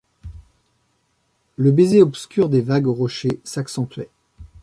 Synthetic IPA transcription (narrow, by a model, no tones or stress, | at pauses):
ləbezeɔpskʲyʁd̪evaɡʁɔʃesaksɑ̃t̪ɥɛ